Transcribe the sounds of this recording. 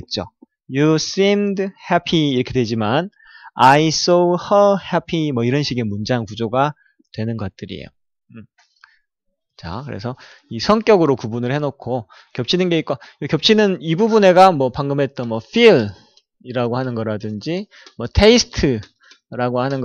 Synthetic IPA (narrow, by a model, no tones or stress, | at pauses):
et̚t͡ɕ͈o | jus͈imdhepʰiːɾʌkʰe̞dwe̞d͡ʑiman | ais͈ohʌhapʰimwʌiɾʌnɕʰiɡimund͡ʑaaŋkud͡ʑoɡa | twe̞nɯnɡʌt̚t͈ɯɾḭḛjo | t͡ɕa̰kɯɾe̞̰sʰʌ | isʰʌŋk͈jʌɡɯɾokubunɯɭhe̞nokʰo | kjʌp̚t͡ɕʰinɯnɡe̞ik͈oɯkjʌp̚t͡ɕʰinɯnibubune̞ɡamwʌpaŋɡɯmɦe̞t̚t͈ʌnmwʌɸʰil | iɾaɡohanɯnɡʌɾadɯnd͡ʑi | mwʌtʰeisʰɯ̥tʰɯ | ɾaɡohanɯnɡ